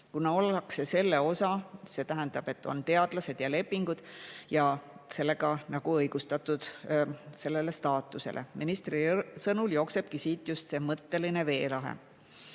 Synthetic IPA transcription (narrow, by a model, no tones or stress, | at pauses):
kunɑo̞lːɑkse̞se̞lːe̞o̞sɑse̞t̪æɦend̪̥ɑb̥e̞t̪ːo̞̰nt̪e̞ɑd̪̥lɑse̞d̪̥jɑle̞pːiŋɡ̥ud̪̥jɑse̞lːe̞ɡ̥ɑnɑɡ̥uɤjɡ̥ust̪ɑt̪ːˑud̪̥se̞lːe̞le̞st̪ɑːt̪ːˑusḛlʔḛmʔinist̪risɤnuljo̞kse̞b̥kisiːt̪ːjust̪se̞ːmɤt̪ːe̞line̞ve̞ːlɑɦḛ